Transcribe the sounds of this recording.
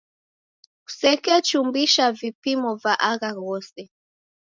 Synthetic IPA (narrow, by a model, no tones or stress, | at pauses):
u̥sɛkɛt͡ʃumbiʃavipimɔvaʔaɣaŋɡɔsɛ